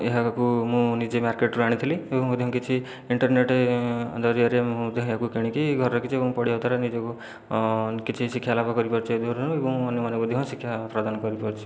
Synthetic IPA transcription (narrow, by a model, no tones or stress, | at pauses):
eɦakumũnid͡ʒemaɾkeʈɾuaɽ̃it̪ʰiliebɔ̃ŋɦũd̪eɦɔ̃kit͡ʃʰi | iɳʈɔɾneʈed̪ɔɾiaɾemũd̪eɦɔ̃ɦakukiɽ̃ĩkiɡʱɔɾɔɾɔkit͡ʃʰiebɔ̃ŋ̃pɔɽiawt̪ʰaɾenid͡ʒeku | kit͡ʃʰisikʰːjalapakɔɾipɔɾt͡ʃʰied̪ʱɔɾɾuebɔ̃ŋ̃ɔnjemanekud̪eɦɔ̃sikʰjapɾad̪anɔkɔɾipɔɾt͡ʃʰi̥